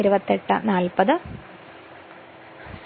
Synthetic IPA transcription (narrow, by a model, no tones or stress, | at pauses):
iɾubɐt̪ːeʈːɐ̰naːlpɐðɨ